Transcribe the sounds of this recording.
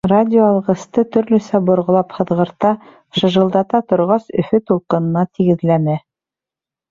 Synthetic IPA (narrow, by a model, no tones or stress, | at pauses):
radʲɪoɑlˠʁɤ̆st̪ɤt̪ɵ̆ɾlɵ̆sæbŏɾʁɤ̆lˠɑpχɤ̆ðʁɤ̆ɾt̪ɑ | ʃɤ̆ʒɤ̆lˠd̪ɑt̪ɑt̪ŏɾʁɑsɵ̆fɵt̪ulˠqɤ̆nɤ̆nɑt̪iɡɘ̆ðlænɘ